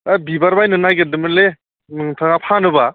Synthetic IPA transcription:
abibaɾbajnɯnajɡɯdɯmɯle | nɯŋtʰaŋapʰanɯba

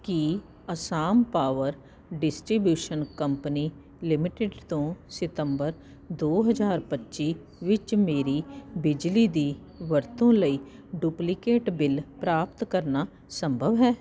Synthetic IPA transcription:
ki | əsaːmpaːʋəɾ | ɖɪsʈɾibjuːʃənkəmpəniː | lɪmɪʈeɖt̪õːsɪt̪əmbəɾ | d̪oːɦəzaːɾpətːʃiː | ʋɪt͡ʃmeːɾiːbɪd͡ʒliːd̪iː | ʋəɾt̪õːləiː | ɖuːplɪkeːʈbɪlpɾaːpt̪kəɾnaː | səmbʱəʋɦɛː

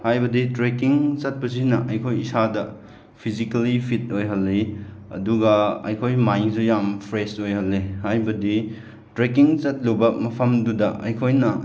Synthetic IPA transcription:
hajbɐditɾekiŋt͡ʃɐt̚pɐsinɐʔɐjkʰojisadɐ | pʰizikalipʰit̚ojɦɐlːeɐ̰duɡɐɐ̰jkʰojmajnsujampʰɾesojhɐlːehajbɐdi | tɾekiŋt͡ʃɐt̚lubɐmɐpʰɐmdudɐɐ̰jkʰojnɐ

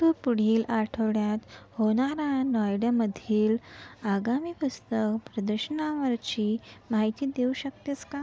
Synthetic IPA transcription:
upuɽ̤iːlʔaʈʰəʋɽjat̪hoɽ̃aɾanɔjɽaməd̪ʱiːlaɡamiːpust̪əkpɾəd̪əɾɕənaʋəɾt͡ɕiːmaɦit̪iːd̪euɕəkt̪jet͡ska

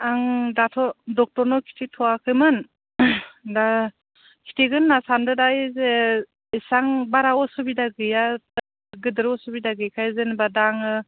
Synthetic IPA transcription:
aŋdatʰɔdɔk̚tɔɾnɔkʰi̥tʰitʰɔakʰɯjmɯn | da | kʰi̥tʰiɡɯnːasandɯdajze | isaŋbaɾawɔsɯbidaɡɯja | ɡɯdɯɾɔsɔbidaɡɯjkʰajzenbadaŋɯ

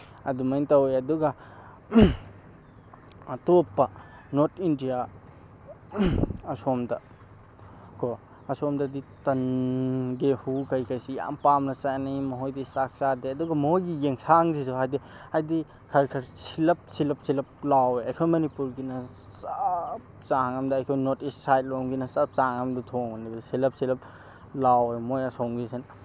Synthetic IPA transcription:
ɐdumajntawejɐduɡɐ | ɐtopːɐnotʰindija | ɐsomdɐ | ko | ɐsomdɐditɐn | ɡehukɐjkʰajsija̰mpamnɐt͡ʃajnijmɐɦojdisak̚sadeɐduɡɐmɐɦojɡijeŋsaŋzizoɦajdihajdi | kʰɐɾkʰɐɾsilɐp̚silɐp̚silɐp̚laweɐjkʰojmɐnipuɾɡinɐ | sap | saŋɐmdɐːjkʰojnotissajt̚loŋɡinɐsɐp̚saŋɐmdɐtʰoŋanibɐsilɐp̚silɐp̚ | lawejmojɐsoŋɡisen

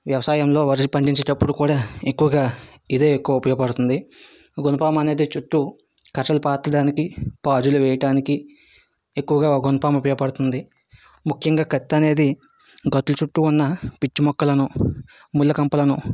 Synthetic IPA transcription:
ʋjɐʋɐsaːjɐmlo̞ːʋɐɾisipɐɳɖiɲt͡ʃɐʈɐpːuɽukuːɽaːekːuʋɐɡaː | id̪e̞ːekːuʋɐupɐjoːpɐɽut̪und̪i | ɡonɐpaːmɐne̞ːd̪it͡ʃuʈːu | kɐʈːɐlupaːt̪ːɐɽaːnikipaːd͡ʒuluʋɛːjɐʈaːniki | ekːuʋɐɡaːɡunɐpaːmupɐjɐpɐɽut̪und̪i | mukʰjɐŋɡaːkɐt̪ːɐne̞ːd̪i | ɡɐt̪ːulut͡ʃuʈːuːnːɐpit͡ʃːimɔkːɐlɐnu | mulːɐkɐmpɐlɐnu

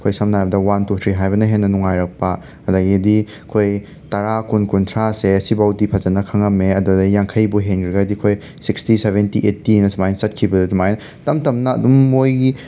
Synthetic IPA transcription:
kʰojsɐmnajbɐdɐwantut̪ʰɾiɦajbɐnɐɦenːɐnuŋajɾɐk̚pɐ | ɐdaɡidiɐkʰoj | tɐɾakunkuntʰɾaseɐsibawdipʰɐzɐnɐkʰɐŋɐmeɐdudɐjaŋkʰɐjbuɦenkʰɾiɡadikʰoj | sikstiseβentiʔetːinɐsmajnsɐt̚kʰibɐdɐdumajnɐ | tɐmtɐmnɐ̰ːdumːojɡi

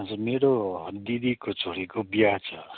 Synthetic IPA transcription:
ʌd͡zurmeɾod̪id̪ikot͡sʰoɾikobjat͡sʰʌ

